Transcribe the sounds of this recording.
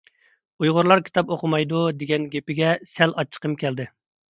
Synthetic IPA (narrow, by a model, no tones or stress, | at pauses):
ujʁʊɾlˠɑɾkʲʰi̥t̪ɑpoqʰʊmɑjd̪ud̪eɡʲɛnɡʲepɪɡʲɛsɛlɑt͡ʃʰːə̥qʰəmkʲɛld̪ɪ